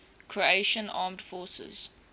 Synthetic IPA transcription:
kʰɹieʃə̃nɑ̰ːmdfɔːsə̰z̥

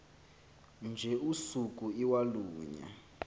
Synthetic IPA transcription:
nd͡ʒʱɛusuk̬ʼuiwaluːɲa̰

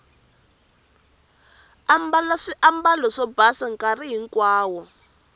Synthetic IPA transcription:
ambalaʂiʔambalɔʂɔbasaŋkariɦiŋkwaːwɔ

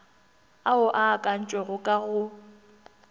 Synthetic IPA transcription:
aʊʔaːkʼan̩t͡ʃʼwɛɣʊkʼaɣʊ

